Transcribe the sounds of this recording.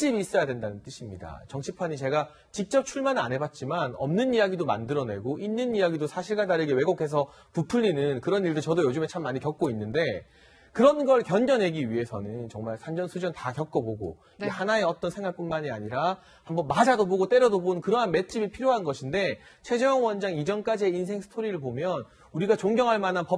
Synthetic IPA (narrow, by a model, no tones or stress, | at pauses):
t͡ɕ͈ibiːs͈ʌjadwe̞ndanɯnt͈ɯɕʰimɲida̰t͡ɕʌŋt͡ɕʰipʰaɲit͡ɕe̞ɡa | t͡ɕik̚t͡ɕ͈ʌp̚t͡ɕʰuɭmanɯa̰nɦe̞bat̚t͡ɕ͈imanʌmnɯnijaɡidoma̰ndɯɾʌne̞ɡoʔinːɯnijaɡidosʰaɕʰiɭɡadaɾɯɡewe̞ɡokʰe̞s̬ʰʌ | pupʰuʎːinɯnkɯɾʌniɭdot͡ɕʌdojod͡ʑume̞t͡ɕʰamːaɲikjʌk̚k͈oinːɯnde̞ | kɯɾʌnɡʌɭkjʌnɡʌnɦe̞ɡiɥiɦe̞sʰʌ̰nɯnt͡ɕʌŋmaɭsʰand͡ʑʌnsʰud͡ʑʌntakjʌk̚k͈ʌboɡo̰ | iehanae̞ʌt͈ʌnsʰe̞ŋwak̚p͈unmaɲia̰ɲiɾa | hambʌnmad͡ʑadoboɡot͈eɾʌdobonɯnkɯɾʌɦanme̞t̚t͡ɕ͈ibiɭpʰiɾjoɦanɡʌɕʰinde̞ | t͡ɕʰwe̞d͡ʑeʌŋwʌnd͡ʑaŋid͡ʑʌnk͈ad͡ʑieins̬ʰe̞ŋsʰɯ̥tʰoɾiɾɯɭpomjʌn | uɾiɡat͡ɕoŋɡjʌŋɦaɭmananpʌ